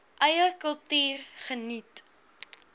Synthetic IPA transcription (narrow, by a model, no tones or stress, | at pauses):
ʔɐjərkəlˠtyːrχənit